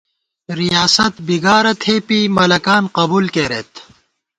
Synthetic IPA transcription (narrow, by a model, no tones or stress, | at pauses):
ɾijaːsɐt̪biɡaːɾɐt̪ʰheːpimɐlɐkaːnqɐbuːlkeːɾet̪